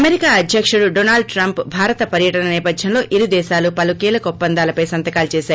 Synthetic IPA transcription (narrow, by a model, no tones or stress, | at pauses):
ɐmeɾikaːɐd̪ʱjɐkʂuɽuɖoːnaːlɖ̚ʈɾɐmpbʱaːɾɐt̪ɐpɐɾjɐʈɐnɐnɛːpɐd̪ʱjɐmlo̞ːʔiɾid̪ɛːʃaːlupɐlukiːlɐkɐɔpːɐnd̪aːlɐpɐjsɐnt̪ɐkaːlut͡ʃɛːʃaːɾ